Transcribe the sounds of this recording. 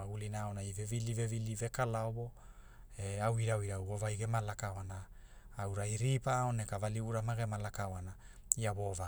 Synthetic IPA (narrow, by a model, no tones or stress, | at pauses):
aɡulinaːonajvevilivevilive̞kalaobo̞ | eawiɾawiɾawo̞vajɡe̞malakaoanaː | wɾajɾipaonekavaliuɾamaɡe̞malakaoana | iaβo̞va